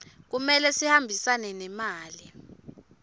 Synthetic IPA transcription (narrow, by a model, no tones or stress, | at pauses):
k̬umɛlɛsihambʱisanɛnɛmaːli